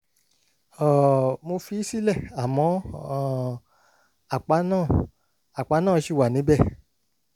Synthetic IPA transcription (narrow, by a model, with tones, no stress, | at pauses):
ɔ˨mo˧fi˦i˦si˦lɛ˦˨a˨mɔ̃˧˦˨ | a˨k͡pa˨˦nãː˦˨ | a˨k͡pa˨˧˦nãː˦˨ʃi˦˨wa˨nĩ˨˦bɛ˦˨